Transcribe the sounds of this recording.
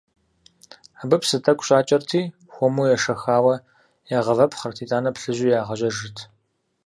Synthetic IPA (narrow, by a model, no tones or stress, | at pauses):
abɨpsɨtʰɐkʷʼɕʼaːt͡ʃʼɐrtʰiː | xʷɔmujɛʂɐxaːwɐ | jaːʁɐvɐpʰχɐrtʰiːtʼaːnɐpɬɨʑʷɪjaːʁɐʒɐʒɨtʰ